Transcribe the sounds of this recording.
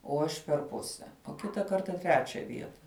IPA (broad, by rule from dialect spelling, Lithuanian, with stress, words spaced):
oː ˈɐʃ pʲɛr ˈpʊsʲɛ oː ˈkʲɪtɐ ˈkɐrtɐ ˈtʲrʲæːt͡ʃʲɛ ˈʋʲiɛtɐ